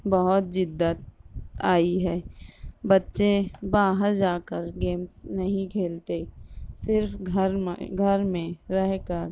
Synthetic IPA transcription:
bəɦʊt̪̚d͡ʒɪd̪ːət̪aːiɦɛːbɐtːʃebaːɦəɾd͡ʒaːkəɾɡeːmsnɐɦĩkʰeːlt̪esɪɾfɾɡʱəɾmẽɾɛɦkəɾ

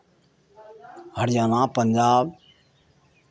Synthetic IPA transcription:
ɦəɾjaːnãːpənd͡ʒaːb

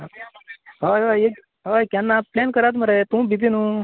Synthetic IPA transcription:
ɦojɦʋe | ɦojkanːaplenkəɾat̪m̤əɾet̪ũːbʱid̪inũː

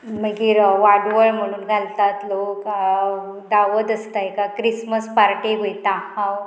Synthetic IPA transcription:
məɡiːɾʋaɾɖʋəɭm̤əɽ̃uːnɡʱalt̪at̪lok | d̪aʋəd̪əst̪aekakɾisməspaɾʈeɡʱojt̪ãhãw

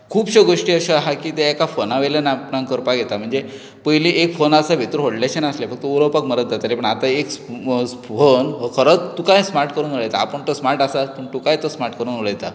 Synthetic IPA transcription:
kʰuːbɕəɡoʂʈiːəɕəɦakiːt̪eekafonaʋelənapnãŋkəɾpaɡʱet̪am̤əɳd͡ze | pəjliʔekfonasaʋet̪ɾɦoɽleɕənaslefək̚t̪əoɾopakməɾət̪̚d̪at̪alepəɳat̪aek | fonəkʰəɾət͡st̪ːukajsmaɾʈkəɾuːnʋəɭət̪aːpəɳt̪osmaɾʈasapəɳ̚t̪ukajt̪əsmaɾʈkəɾuːnʋəɭət̪a

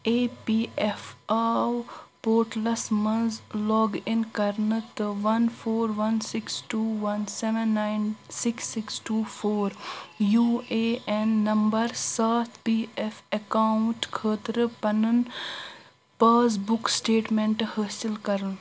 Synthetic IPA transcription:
eːpiːefaːwpoːɾʈlɐsmɐnzlɔːɡɪnkɐɾnɨt̪ʋɐnpʰoːɾʋɐnsɪksʈuːʋɐnseʋɐnːaːɪnsɪksːɪksʈuːfʰoːɾjuːeːenːɐmbɐɾsaːt̪ʰpiːefɐkaːʊɳʈkʰəːt̪ɾpɐnən | paːzbʊksʈeːʈmẽɳʈhəːsɪlkɐɾn

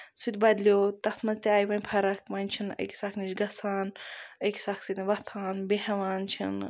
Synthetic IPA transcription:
sut̪ʲbɐd̪lioːt̪ɐt̪ʰmɐzt̪ʲaːjiʋɐnʲpʰɐɾɐk̚ʰʋɐnʲt͡ʃʰinə̰jkʲsakʰnit͡ʃɡɐsaːnəjksaksit̪iʋɐt̪ʰaːnbehɐʋaːnt͡ʃʰḭn

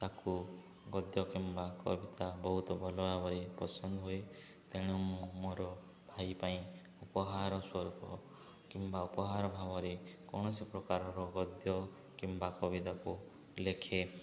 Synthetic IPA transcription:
t̪aku | ɡɔd̪jɔkimbakɔbit̪abɔɦut̪ɔbʱɔlɔbabɔɾepɔsɔnd̪ɔɦue | t̪eɽ̃umumoɾɔ | bʱajpaĩ | upɔɦaɾɔswɔɾukɔ | kimbaupɔɦaɾɔbʱabɔɾekɔ̰ɳ̃ɔsipɾɔkaɾɔɾɔɡɔd̪jɔ | kimbakɔbit̪aku | lekʰe

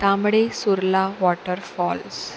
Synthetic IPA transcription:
t̪aːmɐɽesuɾlaːʋɔːʈəɾfɔːls

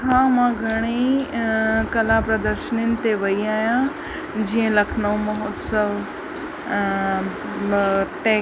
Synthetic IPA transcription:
kʰãmãɡʱɐɽ̃i | kɐlapɾɐd̪əɾʃəninɪ̆t̪eʋɐiaːjã | d͡ʑiə̃lɐkʰnõmɐɦot̪səʋ | ʈeː

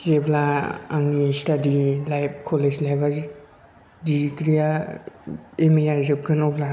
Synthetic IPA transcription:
keblaa̰ŋnistadilajp̚ʰkʰɔled͡ʒlajba | dikɾija | emijazɯp̚ɡʰɯnɔpla

